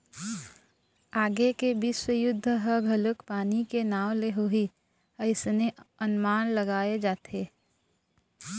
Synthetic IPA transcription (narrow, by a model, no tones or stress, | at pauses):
aːɡekebɪʃwəjʊd̪ʱːəɦəɡʱɐlʊkpaːnikenaːwleɦoi | əɪsneənmaːnləɡaːed͡ʒaːt̪ʰeː